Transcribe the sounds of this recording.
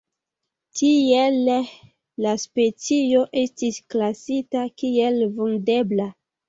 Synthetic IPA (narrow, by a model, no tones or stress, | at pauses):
tʰielː | aspe̞t͡sio̞ʔe̞stisklasitakielvunde̞bla